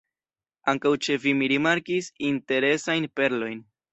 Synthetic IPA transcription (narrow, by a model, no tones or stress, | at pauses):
aŋkawt͡ʃe̞vimiɾimaɾkisinte̞ɾe̞sajnpe̞ɾlo̞jn